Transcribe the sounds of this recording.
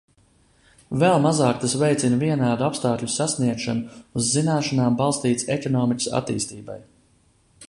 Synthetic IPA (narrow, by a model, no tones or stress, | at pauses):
vɛlˠmazaːkt̪asvɛjt̪sinviɛnaːd̪uapst̪aːkʎʲusasniɛkʃanuuzːinaːʃanaːmbalˠst̪iːt̪sɛkɔnɔːmikʲi̥sa̰t̪ḭːst̪iːba̰j